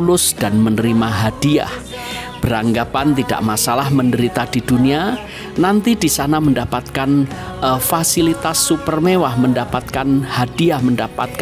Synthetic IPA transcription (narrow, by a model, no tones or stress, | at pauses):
ulʊsd̥anmənəɾimaɦad̥ia̰h | b̥əɾaŋɡapant̪ida̰ʔmasalahməndəɾit̪adid̥unia | nant̪idisanaməndapat̪̚kan | fasilit̪asːupərmewahməndapat̪̚kanhad̥iahməndapat̪̚k